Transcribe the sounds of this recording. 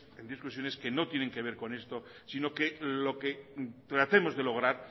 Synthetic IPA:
end̪iskwusjo̞ne̞skeno̞t̪je̞ne̞ŋke̞β̞e̞ɾko̞ne̞st̪o̞ | sino̞kelo̞ket̪ɾat̪emo̞zðe̞lo̞ɣ̞ɾaɾ

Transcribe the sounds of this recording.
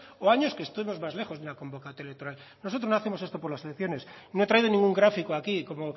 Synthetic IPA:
oaɲo̞skest̪uβimo̞zmazle̞xo̞zðunako̞mbokat̪ojlekt̪oɾal | nosot̪ɾoznoaθe̞mosest̪opo̞ɾlaselekθjo̞ne̞s | no̞e̞t̪ɾaiðo̞nĩŋɡuŋɡɾafikoakikomo

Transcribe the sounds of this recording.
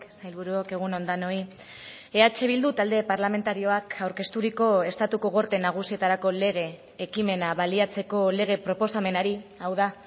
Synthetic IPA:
sajlβuɾuoke̞ɣ̞uno̞nd̪ano̞i | e̞at͡ʃe̞β̞ild̪ut̪ald̪e̞paɾlame̞nt̪aɾio̞akawɾke̞st̪uɾiko̞e̞st̪at̪ukoɣ̞o̞ɾt̪e̞naɣ̞usie̞t̪aɾako̞le̞ɣ̞e̞ː | kime̞naβaliat͡se̞ko̞le̞ɣ̞e̞pɾo̞po̞same̞naɾiawða

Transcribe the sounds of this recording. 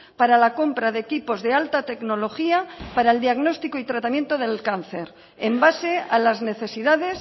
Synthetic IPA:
paɾalako̞mpɾaðekipo̞zðe̞alt̪at̪e̞kno̞lo̞xiapaɾaeld̪iaɣno̞st̪ikoit̪ɾat̪amje̞nt̪oðe̞lkan̟θe̞ɾ | embase̞alazne̞θesiðaðe̞s

